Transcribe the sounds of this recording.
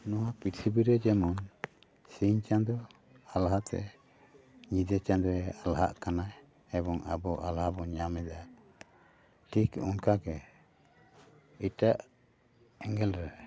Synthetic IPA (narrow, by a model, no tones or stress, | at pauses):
nɔwapitʰibiɾɛd͡ʒɛmɔn | siɲt͡ʃand̪ɔ | alɦat̪ʰɛ̰ | ɲid͡ʒ̪ɛt͡ʃand̪ɾɛalɦa̰ʔkanaj | ɛbɔŋa̰bɔʔalhabɔɲamɛd̪a | ʈʰikṵnkaɡɛ | iʈaʔ | ɛŋɡɛlɾɛ